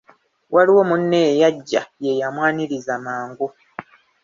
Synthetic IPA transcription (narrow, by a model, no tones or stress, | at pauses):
wʔaliwo̞munːeejaɟːa̰je̞jamwaːniɾizamaːŋɡu